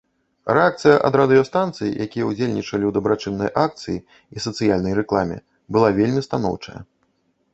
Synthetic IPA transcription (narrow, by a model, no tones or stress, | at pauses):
ɾɛak̚t̪sɨjɐʔɐd̪ɾɐd̪ɨjɐst̪ant̪sɨjḭjakʲijɛud͡zʲelʲnʲit͡ʂɐlʲiwd̪ɐbɾat͡ʂɨnːɐjʔak̚t̪sɨji | isɐt̪sɨjalʲnɐjrɛklˠamʲɛ̰ | bɨlˠavʲelʲmʲist̪anɔ̰wt͡ʂɐ̰jɐ̰